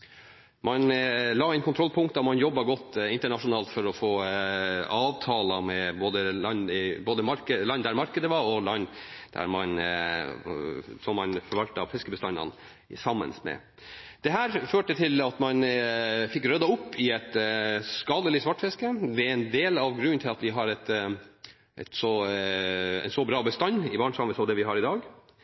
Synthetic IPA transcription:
mɑnlɑːɛɪnkʰʊnʰɾɔlpʰʊŋkt̪ɑmɑnjɔbːɑɡɔt̪ːɪnt̪əɳɑʂʊnɑːlt̪fɔɾɔfoː | ɑːʋt̪ʰɑːlɑmɛboːd̪əɑnɪboːd̪əmɑɾkəlɑnd̪æɾmɑɾkəd̪əʋɑɾɔlɑnːd̪̥æ̰ɾmɑn | sɔmːɑnfɔɾʋɑlt̪əɑfɛskəbəst̪ɑnɑ̰n | sɑmːə̰nsmɛ̰ | d̪̥ɛɦæːɾføːʈət̪ʰɪlɑt̪mɑnfɪkːɾœd̪ɑʊpːɪɛt̪skɑːd̪əlɪsʋɑʈːfɛskəʋɛɛnd̪eːlɑʋɡɾʉnnt̪ʰɪlɑt̪ʋɪɦɑɾɛt̪ | ʔɛ̰t̪sɔ | ɛ̰nsɔbɾɑːbəst̪ɑnːɪbɑːɳsɑməsɔd̪ɛʋɪɦɑɾɪd̪ɑːɡ

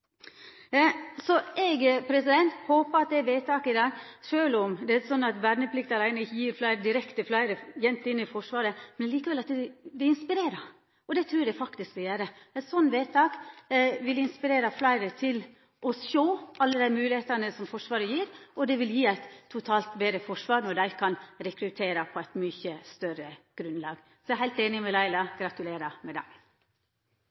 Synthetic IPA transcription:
sɔʔɛɡpʰɾɛsɪd̪ɛnt̪hoːpəɑt̪̚d̪ɛæɾʋeːt̪ʰɑːkɪd̪ɑːɡʂøːlɔmd̪ɛæɾsɔnːɑt̪ʋæɾnəpʰlɪkt̪ɑlæɪnəɪçːəjiːɾflæɪɾəd̪ɪɾɛkt̪əflæɪɾəjɛnt̪ːɪnːɪfɔʂʋɑːɾəmɛnɛliːkəʋɛlɑt̪d̪ɛd̪ɛɪnspɪɾeːɾə | ɔd̪ɛt̪ʰɾʉːd̪æfɑkt̪ɪskd̪əjæːɾəɛɪt̪sɔnːʋeːt̪ʰɑːkʋɪlɪnspɪɾeːɾɑflæɪɾət̪ʰɪl | ʔɔʃoːʔɑlːəd̪æɪmʉːlɪheːt̪ɑnəsɔmfɔʂʋɑːɾəjiːɾɔd̪ɛʋɪljiːæɪt̪ʰːʊt̪ʰɑːlt̪beːd̪ɾəfɔʂʋɑːɾnɔɖd̪æɪkʰɑnɾɛkɾʉt̪ʰeːɾɑpʰɔæɪt̪myçəst̪œɾəɡ̥ɾʉnːlɑːɡ | sɔæɦæɪlt̪eːnɪmɛlæɪlɑɡɾɑt̪ʉleːɾɑmɛd̪æ̰ɪɡ

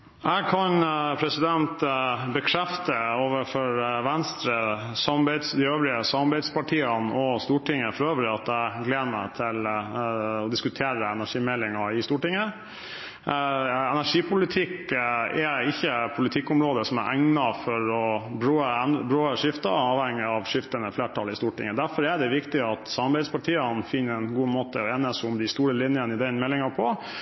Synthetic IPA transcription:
æɡkʰɑnpʰɾɛsɪd̪ɛnt̪bəkʰɾɛft̪əoːʋəfɔɾʋɛnst̪ɾəsɑmbæɪd̪sd̪iøːʋɾɪəsɑmɑbæɪd̪spɑʈʰiːɑnɔst̪uːʈɪŋːəfɔɾøːʋəɾɪɑt̪æɪɡleːd̪əmæ̰t̪ʰɪl | ɔd̪ɪskʉt̪ʰeːɾəɛnæʂiːmɛlːɪŋɑɪst̪uːʈɪŋːə | ɛnæʂiːpʰʊlɪt̪ʰɪkɛɪçːəpʰʊlɪt̪ʰɪkːʊmɾoːd̪əsɔmæ̰ɾʔæŋnɑfɔɾɔbɾøːəɛnbɾøːəʂɪft̪ɑɑːʋhɛŋːɪɑʋʂɪft̪ənəfleːʈʰɑlɪst̪uːʈɪ̰ŋːəd̪æɾfɔɾæɖ̪ɛʋɪkt̪ɪɑt̪sɑmɑɾbɛɪd̪spɑʈʰiːənfɪnːəɛnɡuːmoːt̪əɔeːnəsʊmd̪ɪst̪uːɾəlɪnjənɪd̪ɛnmɛlːɪŋɑpʰɔ

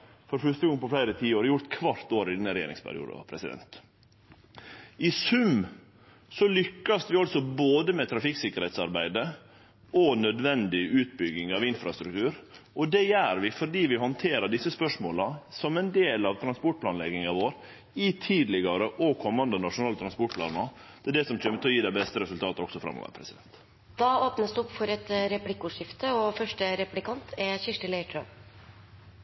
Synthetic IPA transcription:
fɔɾfœʂt̪əɡɔŋːəpɔflæɪɾət̪ʰiːoːɾjʊɾt̪kʰʋɑɾt̪oːɾɪd̪ɛnːəɾɛjḛːɾɪ̰ŋspʰæ̰ɾɪ̰ṵːd̪ɑ̰pʰɾɛsɪd̪ɛ̰nt̪ | ɪsʉm | sɔlʏkːɑsʋɪɔlsɔboːd̪əmɛt̪ʰɾɑfɪksɪkːəɾhɛt̪sɑɾbæɪd̪ə | ʔɔnœd̪ʋɛnd̪ɪʉːt̪̚bʏɡɪŋɑʋɪnfɾɑst̪ɾʉk̚t̪ʰʉːɾʔɔd̪ɛjæːɾʋɪfɔɖiːʋɪhɔnt̪ʰeːɾəɖɪsːəspœʂmoːlɑsɔmɛnd̪eːlɑʋt̪ʰɾɑnspɔʈ̚pʰlɑːnlɛɡɪŋɑʋoːɾ | ɪt̪ʰiːd̪lɪɡɑɾəʔɔkʰɔmːɑnd̪ənɑʂʊnɑːlət̪ʰɾɑnspɔʈ̚pʰlɑ̰ːnɑd̪̥ʰɛd̪ɛsɔmçɛmːət̪ʰɛɔjiːd̪æɪbɛst̪əɾɛsʉlt̪ʰɑːt̪əɔksɔfɾɑ̰mːɔ̰ʋə̰ɾpʰɾɛsɪd̪ɛnt̪ | d̪̥ɑːoːpnəsd̪ʉɔpːfɔɾɛt̪ɾɛplɪkːʊʂɪft̪əɔfœʂʈəɾɛplɪkʰɑnt̪ʰɛɕɪʂʈəlɛɪʈʰɾœmp

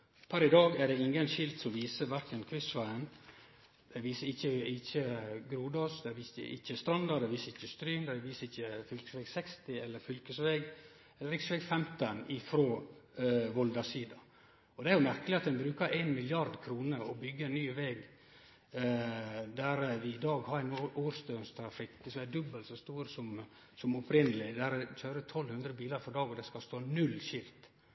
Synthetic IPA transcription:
pʰɑɾɪd̪ɑːɡæɖɛɪŋɡənʃɪlt̪sɔmʋiːsəʋæɾkənkʰɾɪsʋæɪən | d̪̥ɛʋiːsəɪçːəɪçːəɡɾuːd̪ɔsd̪ɛʋiːsə̰ɪ̰çːəst̪ɾɑnd̪ɑd̪ɛʋiːsəɾɪçːəst̪ɾyːmd̪ɛʋiːsəɪçːəfʏlkə̥sʋɛɡsɛkst̪ɪɛlːəɾfʏlkəsʋeːɡ | ɛlːəɾɪksʋɛɡfɛmt̪ənɪfɾoː | ʋɔld̪ɑsiːd̪ɑ | ɔd̪ɛæɾjʊmæɾkəlɪɑt̪d̪ɛnbɾʉːkəɾʔenmɪljɑɾd̪kʰɾuːnəɾɔbʏɡːəɛnːyːʋeːɡ | d̪æɾʋɪɪd̪ɑːɡhɑɾɛnooːɾst̪øːnst̪ʰɾɑfɪkːəsɔæd̪ʉbəlsɔst̪uːɾəsɔm | sɔmɔpʰɾɪnːəlɪd̪æɾçøːɾət̪ʰɔlːhʉnd̪ɾəbiːləɾfɔɾd̪ɑːɡɔd̪ɛskɑst̪oːnʉlːçɪlt̪

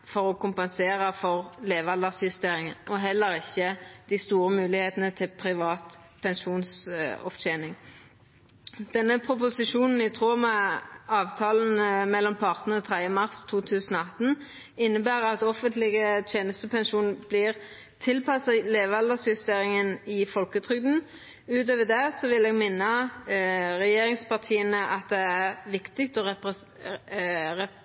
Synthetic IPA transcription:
fɔʁɔkʊmpɛnseːʁəfɔʁleːʋɑld̪əsjʉst̪eːʁɪŋənɔɦɛlːəʁɪçːəd̪̥ɪst̪uːʁəmʉːlɪheːt̪ənət̪ʰɪlpʰʁɪʋɑːt̪ | pʰɛnʃuːnsɔ̰ft͡ʃeːnɪŋ | d̪̥ɛnːəpʰʁʊp̬ʊsɪʃuːnn̩ɪt̪ʰʁoːmɛɑːʋt̪ʰɑːln̩mɛlːɔmpʰɑʁt̪ən̩əɔt̪ʰʁɛd̪əmɑʁst̪ʰuːt̪ʰʉːsən̩ɔːɑt̪ːn | ɪnːəbæːɾəɑt̪ɔfənt̪lɪɡət̪ʰjeːnəst̪əpʰɛnʃuːnb̥liːʁ | t̪ʰɪlpʰɑsɑleːʋɑləsjʉst̪eːʁɪŋənɪfɔlkət̪ʰʁʏɡ̚d̪n̩ | ʉːt̪øːʋəd̪ɛsɔʋɪlɛːɡmɪnːə | ʁɛjeːɾɪŋspɑʁt̪ʰiːənəʔɑt̪̚d̪ɛæʁʋɪkt̪ɪkt̪ɔɛ | ɛ

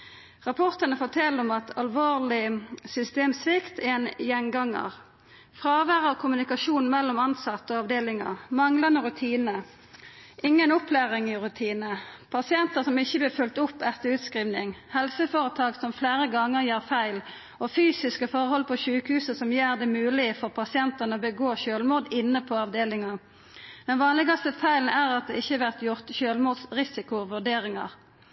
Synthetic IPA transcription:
ʁɑpʰɔʁt̪ənəfoːt̪ʰɛlɔmɑt̪ʰɑlʋoːʁlɪsʏst̪eːmsʋɪkt̪ɛːnjɛnɡɑŋːə̰ʁ | fʁɑːʋæːʁəkʰʊmʉnɪkɑʃuːnmɛlːɔmɑnsɑt̪ːəɔɑʋd̪eːlɪŋə̰ʁmɑŋlɑnəʁʉt̪ʰiːnə | ʔɪŋːənɔpʰlæːʁɪŋɪʁʉt̪ʰiːnəpʰɑsɪɛnt̪əʁsɔmɪçːəblɪːfʉlt̪ʊpːɛt̪əʉːt̪skʁiːʋnɪŋhɛlsəfoːʁət̪ʰɑːɡsɔmfleːʁəɡɑŋːəʁjiːʁfæɪl | ɔfyːsɪskəfɔʁhɔlpʰɔʃʉːkhʉːsəsɔmjeːʁd̪ɛmʉːlɪfɔʁpʰɑsɪɛnt̪ɑnəɔbəɡoːɕøːlmuːd̪ɪnːəpʰɔɑʋd̪eːlɪŋɑ | d̪̥ɛnʋɑːnlɪɡɑst̪əfæɪln̩æːʁɑt̪̚d̪ɛːɪçːəʋæʁt̪jʊʁt̪çøːlmuːd̪sʁɪsɪkʊʋʉʁd̪eːʁɪŋɑ̰ʁ

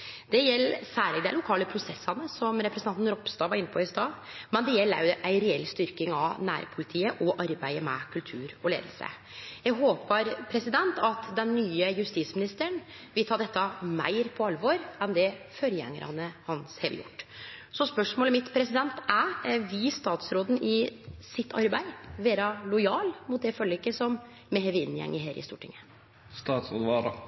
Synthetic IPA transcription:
d̪̥ɛjɛlːsæːɭɪd̪ɛælʊkʰɑːləpʰɾʊsɛsːɑnəsɔmɾɛpɾɛsnɑnɾɔpst̪ɑːʋɑɾɪnːəpʰɔɪst̪ɑːmɛnd̪ɛjɛlːæ̰ɾjʊʔæɪɾɛɛlst̪ʏɾkɪŋɑʋnæ̰ːɾpʰʊlɪt̪ʰiːəʔɔʔɑɾbæɪəmɛ̰kʰʉlt̪ʰʉːɾɔlḛːd̪l̩sə̰ | jæɡɦoːpəɾpʰɾɛsɪd̪ɛnt̪ɑt̪d̪ɛnːyːəjʉst̪iːt̪smɪnɪst̪əɳ | ʋɪlt̪ʰɑːd̪ɛt̪ːɑmæ̰ɪɾpʰɔɑlʋoːɾɛnd̪ɛføɾjɛ̰ŋːə̰ɾʔɑ̰nəhɑnshḛːd̪ə̰jʊ̰ʈːsɔspœʂmoːləmɪt̪pʰɾɛsɪd̪ɛnt̪æʋɪst̪ɑːt̪sɾoːd̪n̩ʔɪsɪt̪ʰːɑɾbæɪʋeːɾɑlʊɪɑːlmʊt̪̚d̪ɛfœlɪkːəsɔmː | ɛheːʋɪnːjɛ̰ŋːəɦeːɾɪ̰st̪uːʈʰɪ̰ŋːə | st̪ɑːt̪sod̪ʋɑːɾ

